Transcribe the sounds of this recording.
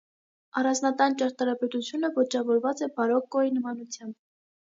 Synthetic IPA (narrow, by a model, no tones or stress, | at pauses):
ɑrɑnznɑt̪ɑnt͡ʃɑɾt̪ɑɾɑpɛt̪ut͡sʰjunəvɔt͡ʃɑvɔɾvɑt͡sɛbɑɾɔkːɔinəmɑnut͡sʰjɑmb̚